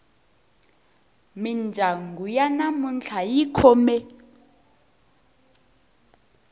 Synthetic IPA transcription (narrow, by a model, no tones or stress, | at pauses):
mind͡ʒʱaŋɡujanamunt͡ɬʰajikʰɔmɛ